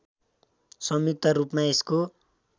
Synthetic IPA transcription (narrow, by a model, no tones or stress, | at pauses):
sʌmit̪ʌrupmaesko